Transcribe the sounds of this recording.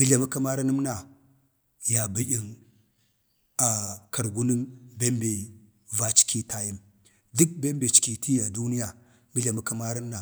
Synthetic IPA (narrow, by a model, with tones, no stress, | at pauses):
ɡi˦ɮa˨mu˦ka˦ma˦ɾa˦nə˦mna˨ | ja˨bi˦ʔi˦n | a˨ka˨ɾɡu˦ni˦nbe˦mbe˨ | va˦t͡ʃi̥˦kʰi˦ta˦ji˦m | du˦k̚be˦m˦be˨t͡ʃi̥˨ki˨tʰi˦ja˨du˦ni˦ja˨ | ŋɡi˦ɮa˨mu˦ka˦ma˦ɾi˦m˦na˨